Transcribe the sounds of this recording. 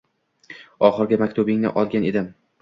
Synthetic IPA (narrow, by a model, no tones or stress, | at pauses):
ɒχɨɾɡʲamakʲt̪ʰʊbɪŋnɪ̰ʔɒlˠɡʲane̞d̪ɪm